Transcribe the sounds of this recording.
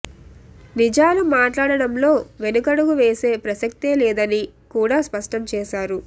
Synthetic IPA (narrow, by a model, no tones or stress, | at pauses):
nid͡ʒaːlumaːʈlaːɽɐɽɐmlo̞ːʋe̞nukɐɽuɡuʋeːse̞ːpɾɐsɐk̚t̪eːlɛːd̪ɐnikuːɽaːspɐʂʈɐmt͡ʃɛːʃaːɾu